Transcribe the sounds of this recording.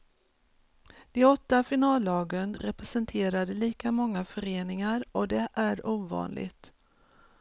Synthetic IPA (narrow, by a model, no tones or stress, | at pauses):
d̪̥ɛɔt̪ːafɪnɑːlːɑːɡənɾɛpɾɛsɛnt̪ʰeːɾad̪əliːkamɔŋːafœɾeːnɪŋaɾɔd̪ɛʔæɾuːvɑ̰ːnlɪ̰ɡt̪